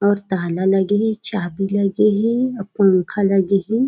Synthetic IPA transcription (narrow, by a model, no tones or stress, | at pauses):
ɔːɾt̪aːlalɐɡeɦɛ̃t͡ʃaːbilɐɡeɦɛ̃ɐpõŋkʰalɐɡeɦẽ